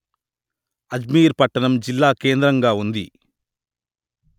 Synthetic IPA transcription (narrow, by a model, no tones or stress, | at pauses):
ɐd͡ʒmiːɾpɐʈːɐnɐmd͡ʒilːaːkeːnd̪ɾɐŋɡaːund̪ḭ